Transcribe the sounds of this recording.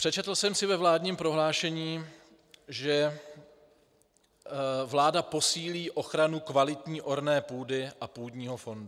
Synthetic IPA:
pr̥ɛt͡ʃɛt̪l̩sɛmsɪvɛvlaːdɲiːmpɾo̞ɦlaːʃɛɲiː | ʒɛ | vlaːdapo̞siːliːʔo̞xɾanukvalɪt̪ɲiːʔo̞ɾnɛːpuːdɪʔapuːdɲiːɦo̞fo̞ndu

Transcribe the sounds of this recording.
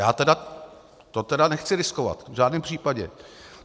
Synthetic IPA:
jaːt̪ɛda | t̪ot̪ɛdanɛxt͡sɪɾɪskova̰t̪vʒaːdnɛːmpr̥iːpaɟɛ̰

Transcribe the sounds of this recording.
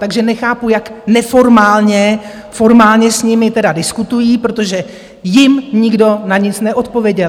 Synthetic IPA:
t̪aɡʒɛnɛxaːpujaknɛfo̞ɾmaːlɲɛ | fo̞ɾmaːlɲɛsɲɪmɪt̪ɛdadɪskut̪ujiːpɾo̞t̪o̞ʒɛ | jɪmɲɪɡdo̞naɲɪt͡snɛʔo̞t̪̚po̞vjɛɟɛl

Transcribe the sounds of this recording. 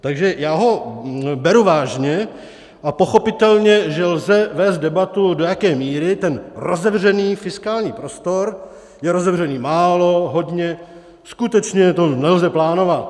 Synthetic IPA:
t̪aɡʒɛjaːɦo̞bɛɾuvaːʒɲɛ | ʔapo̞xo̞pɪt̪ɛlɲɛʒɛlzɛvɛːst̪dɛbat̪udojakɛːmiːɾɪt̪ɛnɾozɛvrɛniːfɪskaːlɲiːpɾo̞st̪o̞ɾ | jɛɾo̞zɛvr̝ɛniːmaːlo̞ɦo̞dɲɛ | skut̪ɛt͡ʃɲɛt̪o̞nɛlzɛplaːno̞vat̪

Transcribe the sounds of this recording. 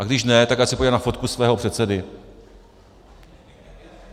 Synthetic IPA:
ʔaɡdɪʃnɛt̪akjaːsɪpoɟalnafo̞t̪̚kusvɛːɦopr̥ɛt̪sɛdɪ

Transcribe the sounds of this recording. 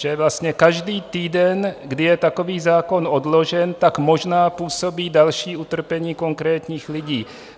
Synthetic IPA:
ʒɛvlast̪ɲɛkaʒdiːt̪iːdɛnɡdɪjɛt̪ako̞viːzaːko̞nodlo̞ʒɛnt̪akmo̞ʒnaːpuːso̞biːdalʃiːʔut̪r̩pɛɲiːko̞ŋkɾɛːt̪ɲiːxlɪɟiː

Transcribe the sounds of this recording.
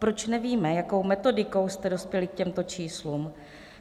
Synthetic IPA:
pɾo̞t͡ʃnɛviːmɛjako̞wmɛt̪o̞dɪko̞wst̪ɛdo̞spjɛlɪk̚cɛmt̪o̞t͡ʃiːsluːm

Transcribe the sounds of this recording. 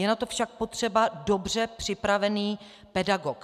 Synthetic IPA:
jɛnat̪o̞fʃak̚po̞t̪r̝̥ɛbadobr̝ɛpr̥ɪpɾavɛniː | pɛdaɡok

